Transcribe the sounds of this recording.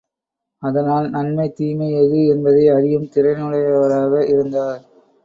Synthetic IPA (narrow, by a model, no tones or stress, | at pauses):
ɐðɐnaːlnɐnmɐɪt̪iːmɐɪɐɻɯɛnbɐðɐɪɐðɪjɯmt̪ɪɾɐɪnɯɽɐjɐʋɐɾaːɣɐɪɾɯnd̪aːɾ